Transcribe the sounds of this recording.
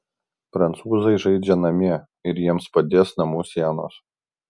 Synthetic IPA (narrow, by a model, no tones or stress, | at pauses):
pɾɐnt̪suːzɐɪʒɐɪd͡ʒʲɛnɐmʲiɛ | ɪɾjiɛmspɐd̪ʲeːsnɐmuːsʲiɛno̰ːs